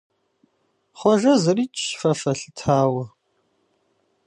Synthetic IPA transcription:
χʷɔʒɐzɨriːt͡ʃʼːfɐfɐɬɨtʰaːwɐ

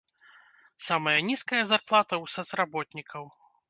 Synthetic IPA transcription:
samɐjɐnʲiskɐjɐzarplˠat̪ɐwsɐt̪srabɔt̪ʲnʲikʰɐw

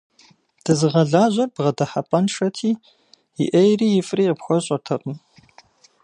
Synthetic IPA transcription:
d̥ɐzɨʁɐɮaːʑʷɐrbʁɐdɐħapʼɐnʂɐtʰiː | jɪ̰ʔɐjriːjɪfʼriːəpxʷɔɕʼɐrtʰɐqʼəm

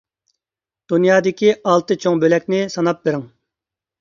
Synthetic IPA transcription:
d̪̥unjɑːd̪ɪkʲiɑlˠt̪ɨt͡ʃʰoŋbølɛkʲnɪsɑnɑp̚beɾɪŋ

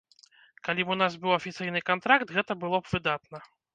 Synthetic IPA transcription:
kalʲibunas̬bɨwɐfʲit̪sɨjnɨkant̪ɾakt̪ɣɛt̪ɐbɨlˠɔbvɨd̪at̪̚nɐ

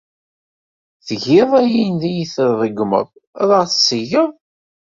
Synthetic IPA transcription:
θəʝɪðˤæjinðæjiθəɾðˤəɡmə̰ðˤ | ðˤəʁθəsːəʝəðˤ

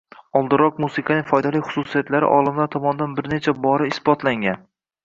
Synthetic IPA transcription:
ɒlˠd̪ɪɾɒq̚musɪkʰɑnɪŋʲfɒjd̪alijχʊ̥susijat̪laɾɪ̰ʔɒlˠɪmlaɾt̪ʰɒmɒnɪd̪anbɪɾne̞t͡ʃʰabɒɾɪɪsbɒt̪ʰlaŋɡʲan

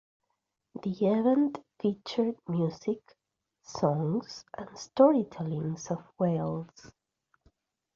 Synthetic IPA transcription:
ðiɛvɛ̃ntfit͡ʃə˞d̚mjuzɪk | sɔ̃ŋz̥ʔə̃nstɔɹitʰɛlĩŋzɔvwelˠz̥

